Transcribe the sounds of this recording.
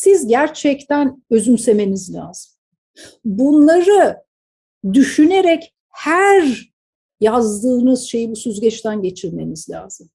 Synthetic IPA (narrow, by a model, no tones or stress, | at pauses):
sizɟæɾt͡ʃʰɛct̪ʰænø̞zymse̞me̞nizlʲa̰ːz̥ɯm | bunlˠaɾɯ | d̪yʃyne̞ɾɛc | hæɾ | jazd̪ɯːnɯz̥ʃe̞jibusyzɟɛt͡ʃt̪ʰænɟe̞t͡ʃʰiɾme̞nizlʲa̰ːzɯm